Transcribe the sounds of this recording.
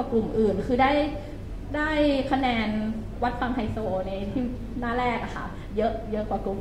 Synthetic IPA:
a˨˩klu˨˩mʔɯː˨˩nkʰɯː˧daː˥˩j | daː˥˩jkʰa˧nɛː˧n | wa˦˥t̪̚fa˧ŋha˧jsoː˧na˧jt̪ʰiː˥˩ | naː˥˩lɛː˥˩k̚a˨˩kʰa̰˥˩ | jɤ˦˥ʔjɤ˦˥ʔkwaː˨˩ku˨˩m

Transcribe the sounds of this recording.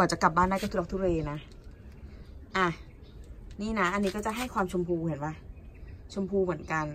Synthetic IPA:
ɔː˨˩t͡ɕa˨˩ka˨˩p̚baː˥˩ndaː˥˩jkt̪ʰːɔ˧˥kt̪ʰu˥˩˧ʔeː˧na˦˥ | ʔa˧˩ | niː˥˩na˦˥ʔa˧nːiː˦˥kɔː˥˩t͡ɕa˨ʔɦa˥˩jkʰwaː˧mt͡ɕʰo˧mpʰuː˧i˩˦nwa˧˥˩t͡ɕʰo˧mpʰuː˧mɯ˩˦ənka˧n

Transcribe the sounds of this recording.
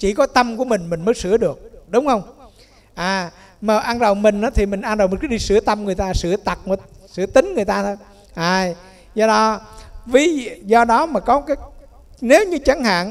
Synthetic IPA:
t͡ɕi˧˩kɔ˨˦t̪ə˧mku˧˩əmi˨˩ŋ̟mï˨˩ŋ̟məː˨˦sɨ˧˩˦əɗɨ˨˩ək̚ɗʊ˨˦wŋ͡mhə˧wŋ͡m | ʔaː˨˩ | məː˨˩ʔa˧nzə˨˩wŋ͡mmï˨˩ŋ̟ʔaː˨˦t̪ʰi˨˩mï˨˩ŋ̟ʔaː˧nzwm˨˩tkːɗi˧˩sɨ˧˩ət̪ə˧mŋɨ˨˩əjt̪aː˧sɨ˧˩ət̪a˨˩t̚məː˨˧˦sɨ̰˧˥ət̪ï˨˦ŋ̟ŋɨ˨˩əjt̪aː˧t̪ʰo˨˦j | ʔaː˨˩j | zɔ˧ɗɔ˨˦vḭ˨˦˧zɔ˧ɗɔ˨˦maː˨˩kɔ˨˦kaː˨˦ | ne˨˦wɲɨ˧t͡ɕa˨˦ŋha̰ː˧˨n

